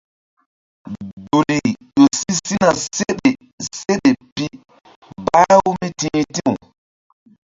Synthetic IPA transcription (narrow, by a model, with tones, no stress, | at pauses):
bu˨li˨jo˨si˦si˦na˨se˦ɗe˨ | se˦ɗe˨pi˦ | ba˦wu˦mi˦tĩ˦ti˦u˨